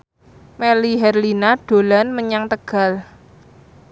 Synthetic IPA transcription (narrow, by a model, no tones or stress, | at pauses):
meliɦɛrlinaɖ̥o̤lanməɲaŋt̪əɡ̥a̤l